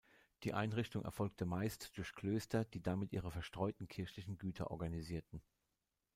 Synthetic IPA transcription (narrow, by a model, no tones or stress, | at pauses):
d̥iːʔa̰ɪnʁɪçtʊŋʔɛ̰ɐfɔlk̚tʰəmaɪstd̥ʊɐçkl̥øːstɐdiːdamɪtʔiːʁ̞əfɛɐʃtʁ̥ɔʏtn̩kʰɪɐçlɪçn̩ɡyːtʰɐ̰ʔɔ̰ɐɡaniziːɐtn̩